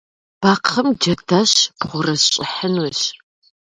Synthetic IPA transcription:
b̥aːqʰɐmd͡ʒɐtʰɐɕpχʷʊrɐsɕʼɪħənwɔɕ

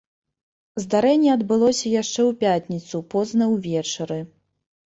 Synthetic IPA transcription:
zd̪aɾɛnʲːɛɐd̪bɨlˠɔsʲɐjaʂt͡ʂɛwpʲat̪ʲnʲit̪supɔznɐwvʲɛt͡ʂɐɾɨ

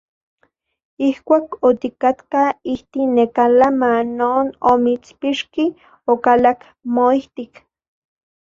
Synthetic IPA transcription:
ihkʷaːkot̪ikat̪kaiht̪inekalamanːoːnomit͡spiʃki | okalak | moiht̪ik

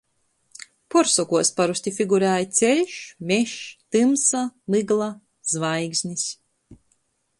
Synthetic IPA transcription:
pɔɾsɔkuɔspaɾusʲt̪ʲifʲiɡuɾæːjt̪sʲɛlʲʃmʲɛʃt̪ɨmsalɨɡlˠa | z̥vajɡzʲnʲis

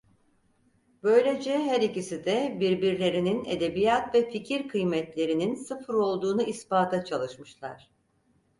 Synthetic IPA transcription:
bø̞jlʲed͡ʒɛɦæɾicisid̪ɛbiɾbiɾlʲe̞ɾininḛd̪e̞bijat̪vɛficʰiɾkʰɯjmɛt̪lʲe̞ɾininsɯfɾo̞lˠd̪uːnuʔispaːt̪ʰat͡ʃʰalˠɯʃmɯʃlˠa̰ɾ̥

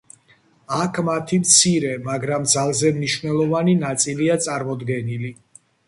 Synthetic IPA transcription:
akʰmat̪ʰimt̪sʰiɾɛmaɡɾamd̪zalˠzɛmniʃvnɛlˠɔvaninat̪sʼiliat̪sʼaɾmɔd̪ɡɛnili

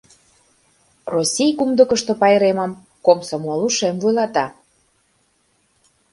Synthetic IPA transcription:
rosʲijkumd̪əkə̆ʃt̪ŏpɑjɾeməm | komsomoluʃemvujlˠɑt̪ɑ

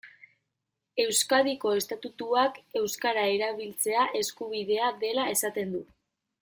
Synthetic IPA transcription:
e̞wskaðiko̞e̞st̪at̪ut̪uake̞wskaɾae̞ɾaβ̞ilt͡se̞aʔe̞skuβiðe̞aðe̞lae̞sat̪e̞nd̪u

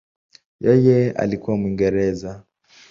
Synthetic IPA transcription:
jɛjɛa̰likuwamwiŋɡɛɾɛza

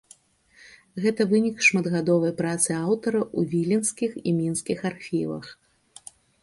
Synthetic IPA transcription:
ɣɛt̪ɐvɨnʲikʂmɐd̪ɣad̪ɔvɐjpɾat̪sɨawt̪ɐɾɐʔuvʲilʲinskʲiximʲinskʲixarxʲivɐ̰x

